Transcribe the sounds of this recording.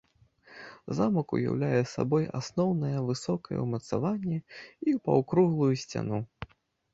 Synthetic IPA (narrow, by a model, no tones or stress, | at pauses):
zamɐkṵja̰wlʲajɛsa̰bɔja̰snɔwnɐjɐvɨsɔkɐjɛ̰wmɐt̪sa̰vanʲːɛipɐ̰wkɾuɣlˠujusʲt͡sʲa̰nu